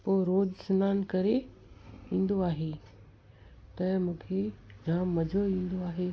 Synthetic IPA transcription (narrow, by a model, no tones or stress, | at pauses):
poːɾoːd͡ʑsʊnaːnkɐɾe | ĩːn̆d̪oaːɦe | t̪ɐmũːkʰed͡ʑʱaːmːɐd͡ʑʱoʋĩːn̆d̪oaːɦeː